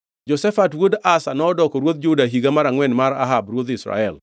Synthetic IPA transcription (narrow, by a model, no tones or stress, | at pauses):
d͡ʒɔsɛfatwodasanɔːdɔkɔɾwod̪̚d͡ʒʊdaɦiɡamaɾaŋwɛnmaɾa̰ɦabɾwod̪ɪsɾa̰ɛl